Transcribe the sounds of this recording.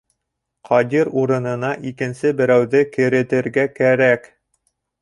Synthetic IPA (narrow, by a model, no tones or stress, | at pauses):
qʰɑd̪ʲiɾuɾɤ̆nɤ̆nɑʔikɘ̆nsɘbɘ̆ɾæwðɘkɘ̆ɾɘ̆t̪ɘ̆ɾɡækæɾæk